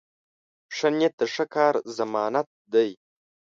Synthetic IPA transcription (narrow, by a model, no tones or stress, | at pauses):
pʂɐnet̚ːaʂɐkʰaːrzɐmaːnat̚dɐj